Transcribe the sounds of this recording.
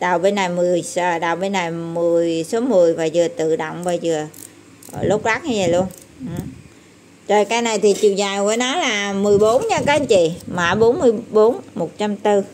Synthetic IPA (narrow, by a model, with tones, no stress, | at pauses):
ɗa˨˩wɓe˧nːa˨˩jmɨ˨˩əjsə˧˩ɗaː˨˩wɓe˧nːa˨˩jmɨ˨˩əjso˨˦mɨ˨˩əjvaː˨˩zɨ˨˩ət̪ɨ̰˧˨ɗo̰˧˨wŋ͡mvaː˨˩zɨ˨˩ə | lo˦˥k͡p̚laː˦˥k̚ɲa˧zəː˨˩jlu˧ən | ʔ̩˨˩ | t͡ɕə˨˩jkaː˧jna˨˩jt̪ʰi˨˩t͡ɕi˨wzaː˨˩jkṵ˧˩ənɔ˨˦laː˨˩mɨ˨˩əjɓo˨˦nɲa˧kɔː˨˦˧nt͡ɕḭ˧˨ma˧˩ɓo˨˦nmɨ˧əjɓo˨˦nmo˨˩t̚t͡ɕa˧mt̪ɨ˧